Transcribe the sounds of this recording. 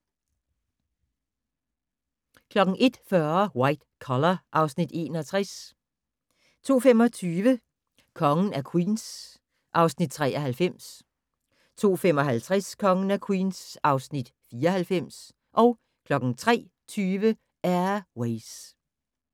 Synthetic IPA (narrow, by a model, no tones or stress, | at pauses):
kʰlɒ̽ɡ̥ŋ̩ʔe̝d̥fɶɐwɑ̈ɪd̥kʰɒlɐʔɑ̈ʊsnid̥e̝̰ːnɒt͡sʰʁas | t͡sʰo̝̰ːfemɒ̽t͡sʰyːʋə | kʰɒ̽ŋən̩æɐkʰwḭːns | ʔɑ̈ʊsnid̥̚t͡sʰʁɛ̰ːɐɦælfem̰s | t͡sʰo̝̰ːfem̰ɒ̽ɦælt͡sʰʁaskʰɒ̽ŋən̩ækʰwiːnsʔɑ̈ʊsnid̥fiːɐhælfem̰s | ʔɒ̽ʊ | kʰlɒ̽ɡ̥n̩t͡sʰʁɛ̰ː | t͡sʰyːʋə | æɐweɪs